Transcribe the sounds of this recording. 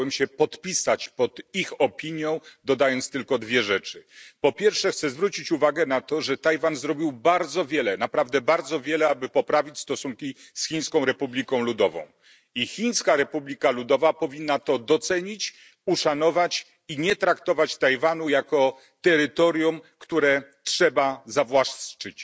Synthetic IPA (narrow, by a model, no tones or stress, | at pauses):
ɛmɕɛpɔt̪pʲisat͡ɕpɔd̪ixɔpʲiɲjɔ̃w̃d̪ɔd̪ajɔnt̪st̪ɘlkɔd̪vʲjɛʐɛt͡ʂɘpɔpʲjɛɾfʂɛxt̪sɛzvɾut͡ɕit͡ɕuvaɡɛnat̪ɔʐɛt̪ajvanzɾɔbʲiwbaɾd̪zɔvʲjɛlɛnapɾavd̪ɛbaɾd̪zɔvʲjɛlɛabɘpɔpɾavʲit͡ɕʲst̪ɔsuŋkʲi | sxʲiɲ̃skɔ̃w̃ɾɛpublʲikɔ̃w̃lud̪ɔvɔ̰̃w̃ | ixʲiɲskaɾɛpublʲikalud̪ɔvapɔvʲinːat̪ɔd̪ɔt̪sɛɲit͡ɕ | uʂanɔvat͡ɕ | iɲɛt̪ɾakt̪ɔvat͡ɕt̪ajvanujakɔ | t̪ɛɾɘt̪ɔɾʲjumkt̪uɾɛtʂɛbazavwat͡ʂɘt͡ɕ